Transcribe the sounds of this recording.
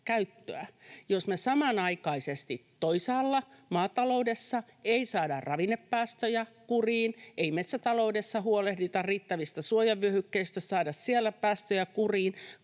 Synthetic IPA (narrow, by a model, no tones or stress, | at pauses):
kæyt̪ːøæjosmesɑmɑnɑikɑisest̪it̪ːoisɑːlːɑmɑːt̪ɑloudesːɑeisɑːdɑ̰rrɑʋinepːæːst̪øjækuriːneimet̪sæt̪ɑloudesːɑɦuolehdit̪ɑrriːt̪ːæʋist̪æsuojɑʋːyøhykːeist̪æsɑːdɑssiælːˑæpæːst̪øjækuriːn